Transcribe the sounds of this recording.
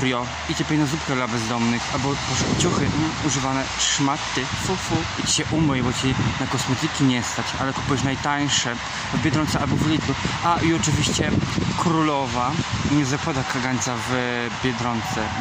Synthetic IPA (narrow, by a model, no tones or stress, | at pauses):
ɾjɔ | id͡ʑɛpʲɛjnazupkɛlabɛzd̪ɔmnɘxalbɔpɔʂɛt͡ɕuxɘuʐɨvanɛʂmat̪ːɘfufu | it͡ɕɕɛʔumɛjbɔt͡ɕinakɔsmɛt̪ɘkʲiɲɛst̪at͡ɕa̰lɛku̥pujɛʃnajt̪aj̃ʂɛ | vbʲjɛd̪ɾɔnt̪sɛalbɔvlʲit̪zuaʔiɔt͡ʂɨvʲiɕt͡ɕɛkɾulɔvaɲɛzakwad̪akaɡaɲt̪sav | bʲjɛd̪ɾɔnt̪sɛ